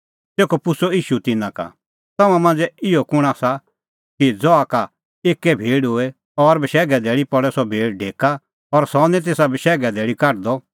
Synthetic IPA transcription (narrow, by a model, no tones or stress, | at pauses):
t̪eːkopʊsoiːʃut̪ɪnãka̰ | t̪ɐmãmɐ̃ːnd͡zɛɪɔkʊɽ̃asa | kid͡zɔaka | eːkːɛbʱeːɽɦʊɛ | ɔɾbʃɛːɡɛd̪ɛːɽipɔɽɛsɔbʱeːɽɖʱeːka | ɔɾsɔnɛ̃t̪̬eːsabiʃɛːɡɛd̪ɛːɭikɐɾd̪ɔ